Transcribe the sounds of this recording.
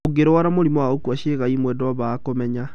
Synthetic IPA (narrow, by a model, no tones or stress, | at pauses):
oɡeɾowaɾamoɾimɔaokwaʃeɣaimwɛdwaβakomɛɲa